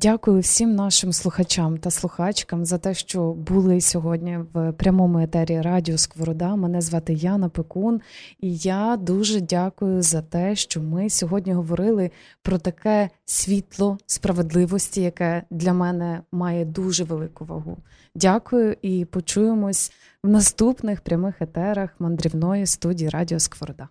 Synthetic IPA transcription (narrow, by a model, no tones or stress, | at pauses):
dʲakʊjʊwsʲimnɑʃɪmslˠʊxɐt͡ʃɑmt̪ɐslˠʊxɑt͡ʃkɐmzɐt̪ɛʃt͡ʃɔbʊlˠɪsʲɔɦɔdʲnʲiʋpɾʲɐmɔmʊet̪ɛɾʲiɾɑdʲiɔskʋɔɾɔd̪ɑmɛnɛzʋɑt̪ɪjɑnɐpekunijad̪uʒɛdʲakʊjʊzɐt̪ɛʃt͡ʃɔmɪsʲɔɦɔdʲnʲiɦɔʋɔɾɪlˠɪpɾɔt̪ɐkɛsʲʋʲit̪lˠɔspɾɐʋe̞d̪lˠɪʋɔsʲtʲijɐkɛd̪lʲɐmɛnɛmɑjɛd̪uʒɛʋelˠɪkʊʋɐ̰ɦṵ | dʲakʊjʊʔipɔt͡ʃujemɔsʲ | wnɐst̪upnɪxpɾʲɐmɪxet̪ɛɾɐxmɐnd̪ɾʲiwnɔjist̪udʲijiɾɑdʲiɔskʋɔɾɔd̪ɑ